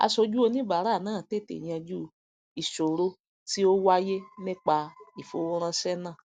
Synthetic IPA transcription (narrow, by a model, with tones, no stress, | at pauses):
a̰˧sɔ˧d͡ʒu˦o˧nĩ˦ba˨ɾa˨˦˨nãː˦˨te˦˨tḛ˨ɲĩ˧˦ã˧d͡ʒu˦˨ | i˨ʃo˨ɾo˧ | ti˦o˦wa˦je˦nĩ˦k͡pa˧i˨fo̰˧˨wo˦ɾ̃ã˧sɛ˦nã˦˨